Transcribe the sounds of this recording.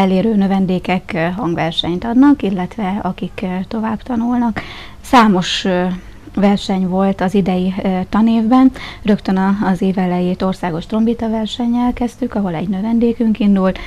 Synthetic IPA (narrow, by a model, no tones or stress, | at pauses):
ɛleːɾøːnø̞vɛnd̪eːkɛkɦɒŋɡvɛrʃɛɲt̪ɒd̪nɒkilːɛt̪ʋɛɒkikt̪o̞vaːbt̪ɒnulnɒk | saːmo̞ʃ | vɛrʃɛɲvo̞lt̪ɒzid̪ɛjit̪ɒneːvbɛnrøkt̪ønɒːzeːvɛlɛjeːt̪o̞rsaːɡo̞ʃt̪ro̞mbit̪ɒvɛrʃɛɲːɛlkɛst̪ykɒɦo̞lɛ̰ɟnø̞vɛnd̪eːkyŋkind̪ult̪